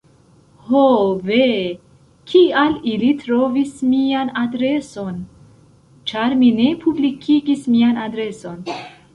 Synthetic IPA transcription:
hove | kʰialilitɾo̞vismianadɾe̞so̞n | t͡ʃaɾmine̞pʰublikʰiɡismianadɾe̞so̞n

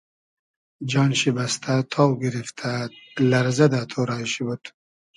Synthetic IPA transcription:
d͡ʒɑːnɕibast̪ʰat̪ʰɑːwɡiɾift̪ʰalɐɾzɐd̪at̪ʰoɾɑːɕibut̪

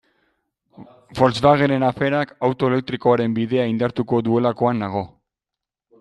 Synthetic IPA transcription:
fo̞lt͡sβaɣe̞ɾe̞nafe̞ɾakawt̪o̞ele̞k̚t̪ɾiko̞aɾe̞mbiðe̞aind̪aɾt̪uko̞ðue̞lako̞anːaɣ̞o̞

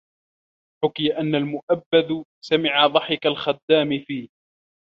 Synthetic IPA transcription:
ħʊkɪjaʔanːalmʊʔabːad̪samɪʕaðˤɑħɪkalxad̪ːaːmɪfiː

